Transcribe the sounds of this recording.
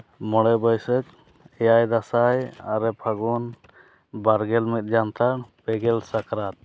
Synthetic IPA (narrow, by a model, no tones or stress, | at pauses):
mɔɽɛbɔjsɛk | ɛjajd̪asajaɾɛpʰaɡɔn | baɾɡɛlmɛt̪̚d͡ʒant̪ʰaɽpɛɡɛlsakɾat̪̚